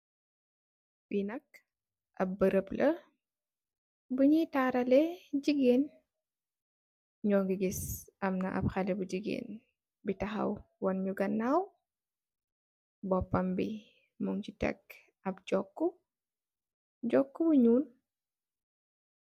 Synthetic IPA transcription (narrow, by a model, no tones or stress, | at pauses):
winɐk̚ | ʔɐ̰b̚bəɾəplʔɐ | buɲitaːɾɐlɛɟiɡeːn | ɲɔːŋɡiɡisɐmnɐʔɐ̰p̚xɐlɛbuɟiɡḛːn | bitɐxɐ̰wwɔnɲuɡɐnːaw | bɔpːɐmbi | muŋcitɛ̰k | ɐp̚d͡ʒɔkːu | ɟɔkːubuɲuːn